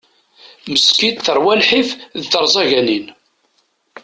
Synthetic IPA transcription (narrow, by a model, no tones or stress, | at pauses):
məskid̪θəɾwælħifðθəɾˤzˤɑʝænin